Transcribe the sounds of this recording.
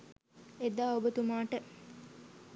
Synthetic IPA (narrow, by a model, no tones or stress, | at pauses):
ed̪aːobət̪umaːʈə